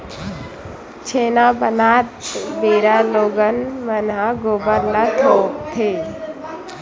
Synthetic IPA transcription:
t͡ʃʰeːnabənat̪beːɾaloːɡənmənɦaɡobəɾlat̪ʰoːk̚t̪ʰe

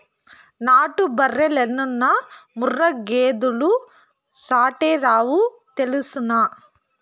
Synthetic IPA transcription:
naːʈubɐrːelenːunːɐmurːɐɡeːd̪ulu | saːʈeɾaːʋu | t̪elisunɐ

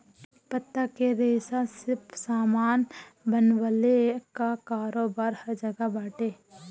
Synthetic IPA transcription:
pət̪ːakeɾeːsasɪɾpsaːmaːnbənʋəlekakaːɾoːbaːɾhɐɾd͡ʒəɡabaːʈeː

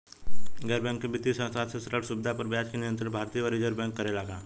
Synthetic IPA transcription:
ɡɛːɾbɛ̃ŋkːebɪt̪ːisə̃saːt̪sesɐʈəʈsubɪd̪ʱapəɾbjaːd͡ʒkenɪənt̪ɾɪbʱaːɾt̪iːəɔɾeːd͡ʒəɾbɛ̃ːŋkːɐɾelaːɡaː

